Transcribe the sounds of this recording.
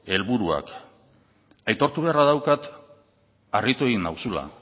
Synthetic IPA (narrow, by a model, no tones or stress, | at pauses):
e̞lβuɾua̰k | ajt̪o̞ɾt̪uβe̞araðawkat̪ | arit̪ue̞ɣinawsula̰